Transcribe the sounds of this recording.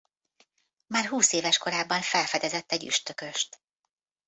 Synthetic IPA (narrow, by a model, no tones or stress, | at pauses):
maːrɦuːseːvɛʃko̞ɾaːbːɒɱfɛlfɛd̪ɛzɛt̪ːɛɟy̰ʃt̪økø̞ʃt̪